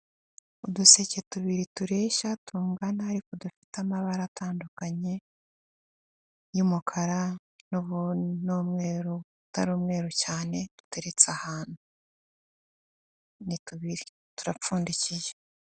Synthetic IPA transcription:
uduse̞ce̞tuβiɾituɾe̞ːʃatʰuːŋɡanaaɾikodufi̥tamaβaɾataːndukaɲe̞ | jumukʰaɾa | noβunomŋe̞ːɾoutaɾoːmŋe̞ːɾocaːne̞d̥u̥te̞ɾe̞t͡sahaːnu | nituβiɾi | tuɾap͡fuːndiciʒe

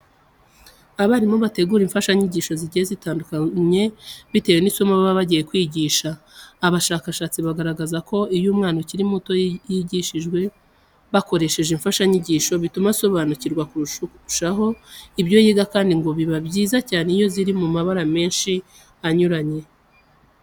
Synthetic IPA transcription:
aβaɾimoβate̞ɡuːɾiɱfaʃaɲiɟiʃo̞ziɟijezitaːndukaɲe̞βite̞wenisomaβaβaβaɟijekwiːɟiːʃaː | βaʃaːkaʃaːt͡siβaɡaɾaɡazako̞ijuːmŋaːnociɾimuto̞jiɟiʃiʒɡwe̞ | βako̞ɾe̞ʃe̞ʒiɱfaʃaɲiɟiːʃo̞βitumaso̞βaːnuciɾɡwakuuʃ | ʃaɦo̞ibɟo̞jiːɡakaːndiŋɡo̞βiβaβɟiːzacaːnejo̞ziɾimumaβaɾame̞ːnʃi | aɲuɾaɲe̞

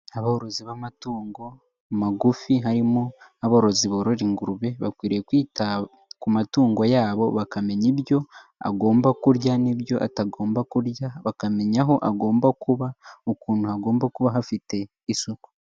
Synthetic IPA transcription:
aβahoɾoziβamatuːŋɡo̞ | maɡufiɦaɾimoaβahoɾoziβoɾoɾiŋɡuɾuβe̞βakwiːɾejekwiːta | kumatuːŋɡo̞jaːβo̞βakame̞ɲibjo̞ | a̰ɡo̞ːmbakuɾjaniβjo̞ʔataɡo̞ːmbakuɾjaβakame̞ɲaɦo̞ʔaɡo̞ːmbakuβaokuːnuhaɡo̞ːmbakuβaɦafite̞ | isuku̥

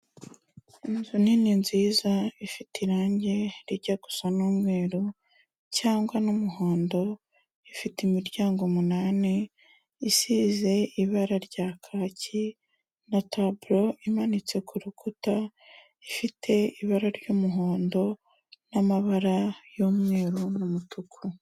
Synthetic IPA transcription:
imzunininziːzaifitiɾaːɲɟe̞ɾiɟaɡ̥u̥sanuːmŋe̞ːɾu | caːŋɡwanumuɦo̞ːndo̞ | ifitimiɾɟaːŋɡomunaːne | isize̞iβaɾaɾɟaːkʰaːci | natabuɾo̞imanit͡se̞kʰuɾukʰuta | ifitʰe̞iβaɾaɾɟoːmuɦoːndo̞ | namaβaɾajoːmŋe̞ːɾunumutʰukʰu

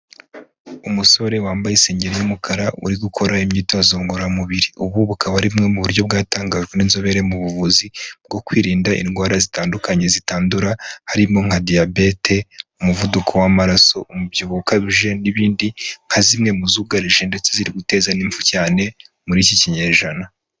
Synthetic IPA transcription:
umuso̞ɾe̞waːmbajise̞ːɲɟe̞ɾejumukʰaɾaṵɾiɡukʰo̞ɾaimɲiːtwazoŋɡoɾamuβiɾiʔuβuβukʰaβaɾimŋe̞muβuɾjo̞b̚ɡaːtaːŋɡaːʒɡwe̞ninzo̞βe̞ɾe̞muβuvuzib̚ɡo̞kwiːɾiːndaʔḭnɡwaːɾazitaːndukaɲe̞zitaːnduɾahaɾimo̞ŋ̥adijabe̞tʰe̞umuvudukʰo̞wamaɾaso̞ʔumubɟuβuukaβiʒe̞niβiːndiŋ̥hazimŋe̞muzuːɡaɾiʒe̞nde̞t͡seziɾiɡute̞zaniːɱvucaːne̞muɾiciciɲeːʒana

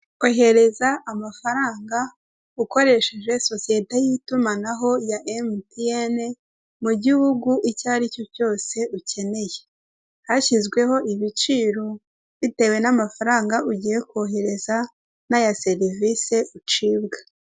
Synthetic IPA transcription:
oɦe̞ɾe̞zaʔːmafaɾaːŋɡa | uko̞ɾe̞ʃeʒwe̞so̞sije̞tejitumanaɦo̞jaʔemtiene | muɟihuɡuʔicaːɾico̞co̞ːse̞uce̞ne̞je | haçizɡwe̞ho̞iβit͡ʃiːɾo̞ | βite̞we̞namafaɾaːŋɡauɟije̞koɦe̞ɾe̞za | najase̞ɾivise̞ut͡ʃiːbɡḁ

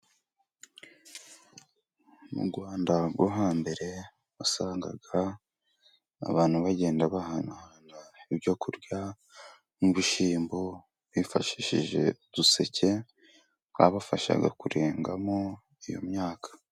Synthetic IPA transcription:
mṵɾɡwaːndaɡwoɦaːmbe̞ɾe̞ | asaːŋɡa̰ɡa | βaːnhuβaɟe̞ːndaβahanhanaibɟo̞kuɾɟa | muβiʃiːmbo | βifaʃiʃiʒe̞̰d̥use̞ce̞ | wa̰βafaʃa̰ɡa̰kuɾe̞ːŋɡamo | ijo̞̰mɲaːkʰḁ

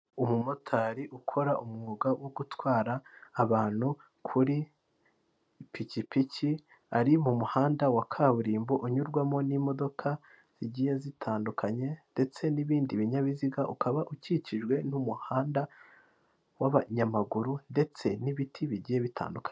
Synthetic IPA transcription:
umumotʰaːɾiʔukʰo̞ɾaʔumŋuːɡawoɡutwaːɾaːβaːn̥hu | kʰuɾi | picipici | aɾimumuhaːndawakʰaβuɾiːmboʔuɲuɾɡwamo̞nimo̞do̞kʰa | z̥iɟije̞zitʰaːndukʰaɲe̞nde̞t͡se̞niβiːndiβiɲaβiziɡaʔukʰaβaʔuciciʒɡwe̞numuhaːnda | waβaɲamaɡuɾunde̞t͡se̞niβitʰiβiɟije̞βitʰa̰ːndukḁɲe

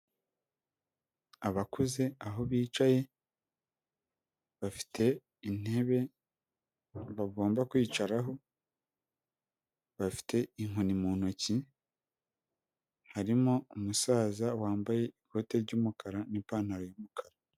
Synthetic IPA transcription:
aβakuze̞aɦo̞βiːt͡ʃaje̞ | βafi̥tʰe̞ | ineβe | βaɡo̞ːmbakwiːt͡ʃaɾaɦo̞ | βafi̥tʰe̞iŋonimuːnoci | haɾimoumusaːzawaːmbaje̞iɡʰo̞te̞ɾɟuːmukʰaɾanipaːn̥aɾojuːmukʰaɾa

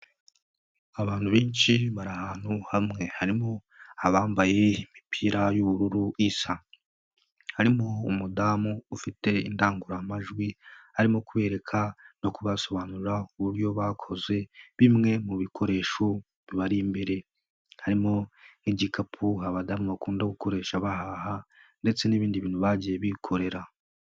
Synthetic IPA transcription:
aβaːnthuβiːnt͡ʃiβaɾahaːn̥huhamŋe̞haɾimo | aβaːmbaje̞imipʰiːɾajuβuɾuɾuisa | haɾimoumudamuːfite̞indaːŋɡuɾamaʒɡwihaɾimokuβe̞ːɾe̞kʰano̞kuβaso̞βaːnuɾuɾauβuɾjo̞βakʰo̞zwe̞βimŋe̞muβikʰo̞ɾe̞ːʃo | βiβaɾimbeɾe̞ | haɾimo̞niɟikapʰuɦaβadamuβakuːndaɡuko̞ɾe̞ːʃaβaɦaha | nde̞t͡se̞niβiːndiβiːn̥huβaɟijeβikʰo̞ɾe̞ɾa

